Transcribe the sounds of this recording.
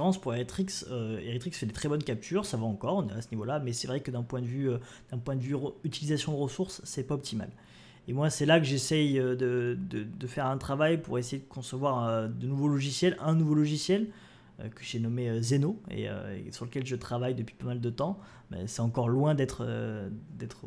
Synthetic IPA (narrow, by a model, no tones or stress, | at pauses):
ʁɑ̃spuʁeʁit̪χiksøeʁit̪χiksfɛd̪et̪χɛbɔnkʲap̚t̪ʰyʁsavaɑ̃kɔʁ̃nasənivolamɛsɛvʁɛkəd̪ɛ̃pwɛ̃d̪əvyø | d̪̥ɛ̃pwɛ̃d̪əvyʁəyt̪ilizasjɔ̃d̪əʁəsuʁsːɛpaɔp̚t̪ʰima̰l | emwasɛlakəʒesɛjød̪əd̪əd̪əfɛʁɛ̃t̪χavajpuʁesejed̪əkɔ̃səvwaʁød̪ənuvolɔʒisjɛlɛ̃nuvolɔʒisjɛl | ø̰kə̥ʒenɔmeøzenoḛø̰ḛsyʁləkʲɛlʒət̪χavajd̪əpɥi̥pamald̪ət̪ɑ̃ | ɛ̰sɛɑ̃kɔʁlwɛ̃d̪ɛt̪χ | d̪ɛt̪χ